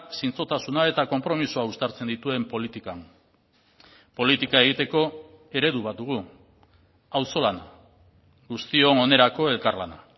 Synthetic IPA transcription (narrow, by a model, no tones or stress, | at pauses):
sint͡so̞t̪asunae̞t̪ako̞mpɾo̞misuaust̪aɾt͡se̞nd̪it̪ue̞mpo̞lit̪ikan | po̞lit̪ikae̞ɣit̪e̞ko̞ | e̞ɾe̞ðuβat̪d̪uɣ̞u | awso̞lana | ɡust̪io̞ŋo̞ne̞ɾako̞e̞lkarlana